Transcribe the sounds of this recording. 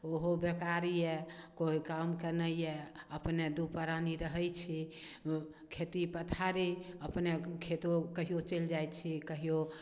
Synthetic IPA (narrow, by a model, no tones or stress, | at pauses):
oɦobekaɾijɛkoikamkenəjɛəpned̪upəɾaniɾəɦəjt͡ʃʰi | kʰet̪ipət̪ʰaɾiəpnekʰet̪okəɦijot͡ʃeld͡ʒajt͡ʃʰikəɦijo